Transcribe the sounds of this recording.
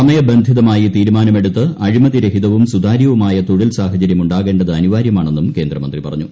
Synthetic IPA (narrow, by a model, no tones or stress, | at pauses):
sɐmɐjɐbend̪ʱiðɐmaːjit̪iːɾumaːnɐme̞ɽut̪ːɨɐɻimɐðiɾɐɦiðɐʋumsud̪aːɾjɐʋumaːjɐt̪oɽilsaːɦɐt͡ɕɐɾjɐmuɳɖaːɣe̞ːɳɖɐðɨɐniʋaːɾjɐmaːɳe̞nːumke̞ːnd̪rɐmɐnd̪ripɐrɐɲːu